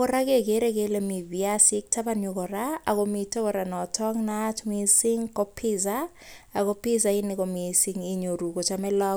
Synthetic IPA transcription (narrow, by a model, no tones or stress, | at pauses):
kɔɾakekeɾekelemibjasɪk̚tapaɲʊkɔɾaakomitokɔɾanɔtʰɔŋnat͡ʃmisɪŋkɔpʰɪs̬a | akɔpis̬aɪnɪkɔmisiŋiɲoɾukɔt͡ʃamɛlɔ